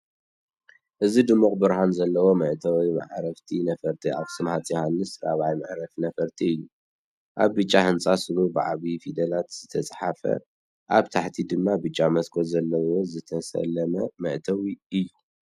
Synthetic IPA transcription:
ʔɨzid̪ɨmːuχʼbɨɾhanzɐlːɐwo̞mɐʔt̪ʰɐwijma̰ʕɾɐft̪ʰinɐfɐɾt̪ʰiʔa̰βsɨmhat͡sʼjhanːɨsɾaβʕajmaʕɾɐfnɐfɐɾt̪ʰiɨjːu | ʔaβːɨt͡ʃʼːahɨnt͡sʼasɨlubɨʕa̰βifid̪ɐlat̪z̥ɨt̪ʰɐt͡sʼħafɐ̰ | ʔaβt̪ʰaħt̪ʰid̪ɨmːabɨt͡ʃʼːamɐskʰozɐlːɐwo̞zɨt̪ʰɐsɐ̰lːɐmɐmɐʔt̪ʰɐwiɨjːu

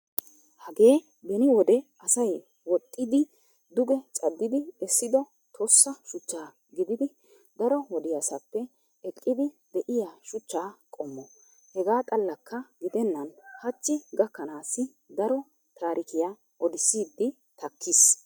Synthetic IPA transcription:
hɐɡe̞ː | bɛnɪwɔd̪ɛ | ɐsɐj | wɔt̪ʼːɪd̪ɪ | d̪ʊɡɛt͡sʼɐd̪ːɪd̪ɪɛsːɪd̪ɔ | t̪ʰoːsːɐʃʊt͡ʃːaː | ɡɪd̪ɪd̪ɪ | d̪ɐɾɔwɔd̪ɪjɐsɐpːɛ | ɛkʼːɪd̪ɪ | d̪ɛʔɪjaʃʊt͡ʃːaːkʼɔmːɔ | hɛɡaːt̪ʼɐlːɐkːɐɡɪd̪ɛnːɐnhɐt͡ʃːɪɡɐkːɐnaːsːɪ | d̪ɐɾɔ | t̪ʰaːɾʔɪkɪja | ʔɔd̪ɪsiːd̪ːɪ | t̪ɐkʰːɪs

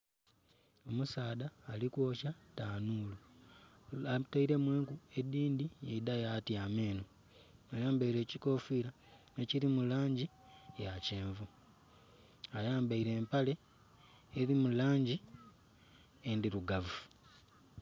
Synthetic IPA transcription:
o̞musaːðaːlikwo̞ːʃataːnuːlu | ataiɾe̞mweːŋkue̞diːndijeidajatiameːno | ajaːmbaiɾe̞ːciko̞ːfiːɾa | ne̞ciɾimulaːɲɟi | jaceːɱvu | ajaːmbaiɾe̞ːmpale̞ː | ðimulaːɲɟi | endiɾuɡavu

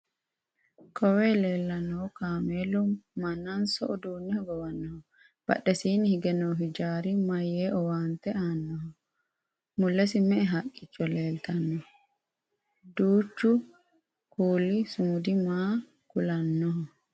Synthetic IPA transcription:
kʰɔwɛleːlːɐnːɔkaːmeːlɔmɐnɐnsɔʔɔd̪uːnːɛhɔɡɔwɐnːɔhɔ | b̥ɐ̰ɗɛsiːnihɪɡɛnɔɦid͡ʒaːɾimɐjeːʔɔwaːnt̪ɛaːnːɔɦɔ | mʊlːɛsɪmɛʔɛɦakʼːɪt͡ʃːɔleːlt̪ɐnːɔ | d̪uːt͡ʃːu | kuːlisʊmʊd̪imaː | kʊlɐnːɔɦɔ

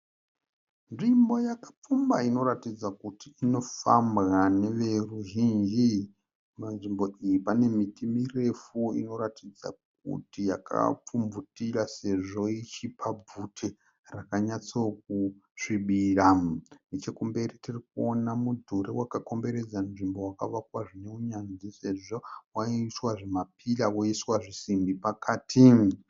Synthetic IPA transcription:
nʐimbo̞jakḁp͡fumbaino̞ɾatid͡zakutiino̞fambɣane̞ʋe̞ruʒind͡ʒi | manʐimbo̞ijipane̞mitimire̞fuḭno̞ɾatid͡za̰k̚ṵtija̰ka̰p͡fumbutiɾase̞ʐo̞it͡ʃipʰab͡vutʰe | rakaɲat͡sok̚uʂiɓiːranet͡ʃe̞kumbe̞ritirik̚uonamudʱuɾewakako̞mbe̞ɾe̞d͡zanʐimbo̞wakaʋakwaʐine̞uɲanzise̞ʐowaiswaʐemapʰilawoiswaʐisimbipakaːtʰi

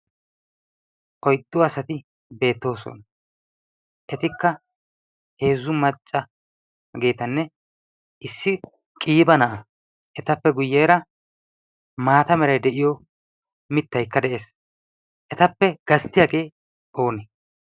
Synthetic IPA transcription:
ʔɔjt̪ʼːʊɐsɐt̪ɪ | be̞ːt̪ːo̞ːsɔ̰n | ʔɛt̪ɪkːɐ | he̞ːzːʊmɐt͡ʃʼːɐ | ɡeːt̪ɐnːɛ | ʔɪsːɪ | kʼiːbɐnɐʔɐ | ʔɛt̪ɐpːɛɡʊjːeːɾɐ | maːt̪ɐmɛɾɐjd̪ɛʔɪjɔ | mɪt̪ːɐjkːɐd̪ɛʔeːs | ʔɛt̪ɐpːɛɡ̥ɐst̪ɪjaːɡe̞ː | ʔo̞ːnɛ

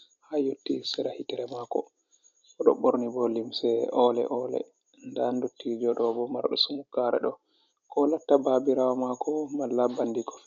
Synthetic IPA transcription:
hajotːisɛɾahitɛɾɛmakɔ̰ | ɔɗɔ̰ɓoɾnibɔlimsɛɔlɛ̰ʔɔlɛ̰ | ndandotːid͡ʒɔɗɔbɔma̰ɾɗɔsumukːaɾɛ̰ɗɔ | kɔlatːababiɾawamakɔmalːabandikɔ̥

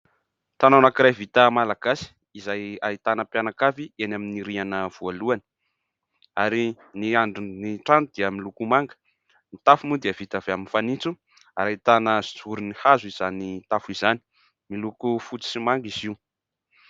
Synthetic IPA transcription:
t̪ananakiɾajvit̪əmalaɡ̥asi̥ | izajait̪anəpjanakafienaminiɾianəv̥ualuanə̥ | aɾi | niaɳɖ͡ʐiniʈ͡ʂant̪ud̪iəmilukumaŋɡə̥ | nit̪afumud̪iəv̥it̪av̥eaminfanit͡su | aɾait̪anəz̥i̥t͡suɾunihazuizanit̪afuizani̥ | milukufut͡si̥simaŋɡiziu

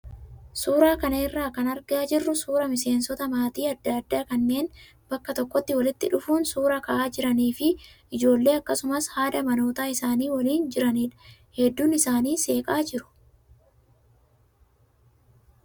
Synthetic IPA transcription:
suːɾaːkɐnɐɪrːaːkɐnɐɾɡaːd͡ʒɪrːʊsuːɾɐmɪse̞ːnsɔt̪ɐmaːt̪iːɐd̪ːɐɐd̪ːaːkɐnːe̞ːn | bɐkːɐt̪ɔkːɔt̪ːɪwɐlɪt̪ːɪᶑʊfuːnsuːɾɐkɐʔaːd͡ʒɪɾɐniːfɪʔɪd͡ʒo̞ːlːe̞ːɐkːɐsʊmɐshaːd̪ɐmɐno̞ːt̪aːɪsaːniːwɐliːnd͡ʒɪɾɐniːᶑɐ̥ | hɛd̪ːuːnɪsaːniːse̞ːkʼaːd͡ʒɪɾʊ̥

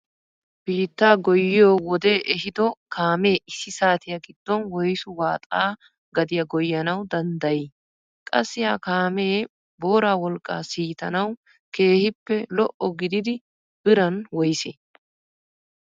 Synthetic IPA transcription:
b̥iːt̪ːaːɡɔjːɪjoːwɔd̪e̞ːʔɛɦɪd̪ɔkʰaːme̞ːɪsːɪsaːt̪ɪjɐɡɪd̪ːɔnwɔjsʊwaːt̪ʼaː | ɡɐd̪ɪjɐɡɔjːɐnɐwd̪ɐnd̪ɐjɪ | kʼɐsːɪjaːkaːme̞ː | bo̞ːɾaːwɔlkʼːa̰ːsiːt̪ɐnɐw | ke̞ːhɪpːɛlɔʔɔɡɪd̪ɪd̪ɪ | b̥ɪɾɐnwɔjsḛː

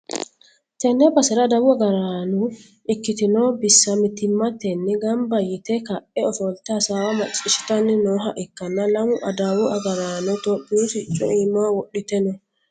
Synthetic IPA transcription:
t̪ɛnːɛbasɛɾadawuaɡaɾaːnu | ʔikːit̪inɔbisːamit̪imːat̪ɛnːɛɡambajit̪ɛkaʔɛɔfɔlt̪asawamat͡ʃʼɪʃi̥tanːinɔɦaʔɛkːanːalamuʔadawuʔaɡaɾaːnɔt̪ɔbiɾutit͡ʃʼːɔ̰imawɔɗːit̪ɛnɔ

